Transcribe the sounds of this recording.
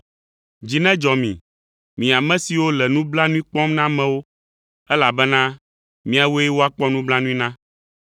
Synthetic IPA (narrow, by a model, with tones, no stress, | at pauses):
d͡ʑi˨nɛ̃˦d͡ʒɔ˨mḭ̃˨ | mĩ˨a˨mɛ̃˦si˨wo˦lɛ˨nũ˦bla˦nũ˦ĩ˦k͡pɔ˦mnã˦mɛ̃˨wo˦ | ɛ˦la˨bɛ˦nã˦ | mĩ˦a˨wo˦ɛ˦wo˦a˨k͡pɔ˦nũ˦bla˦nũ˦ĩ˦nã˦